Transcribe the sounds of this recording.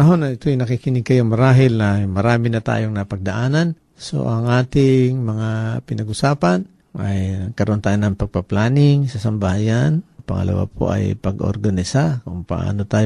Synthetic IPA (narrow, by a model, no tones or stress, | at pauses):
ɐɦo̞naɪt̪oajnɐkikɪnɪɡ̚kɐjomɐɾaːɦɪlnɐmɐɾaːmɪnɐt̪a̰ːjoŋnɐpɐɡ̚d̪ɐʔaːnan | so̰ʔɐŋʔaːt̪ɪŋmɐŋapɪnɐɡʊsaːpan | ʔajkɐɾoʔot̪aːjonɐŋpɐɡ̚pɐplaːnɪŋsɐsɐmbahajanpɐŋɐ̰lʔa̰wa̰pʰo̰ʔɐ̰jpɐɡo̰ɾɡanɪsakʊŋpɐ̰ʔa̰ːnot̪aːj